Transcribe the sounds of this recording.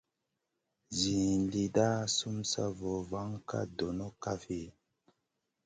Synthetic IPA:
zi˨li˨da˦su˦msa̰˦vo˨va˦ŋka̰˦do˨no˦ka˦fi˦˨

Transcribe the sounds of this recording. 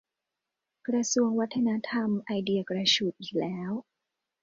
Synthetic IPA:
kɾa˧su˧əŋwa˦˥t̪ʰːa˧na˦˥t̪ʰa˧mʔa˧jdi˧ɐkɾa˧t͡ɕu˨˩t̪̚ʔiː˨˩k̚lɛː˦˥w

